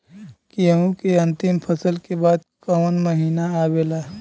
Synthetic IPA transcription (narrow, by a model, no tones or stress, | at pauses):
keɦũkeɐ̃nt̪ɪmpʰəsəlkebaːd̪̚ | kɐʋnməɦiːnaaːweːlaː